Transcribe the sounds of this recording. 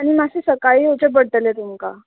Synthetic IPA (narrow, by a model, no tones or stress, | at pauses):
aɽ̃imasesəkaɭiːot͡ɕebəɽʈ̪əlet̪umka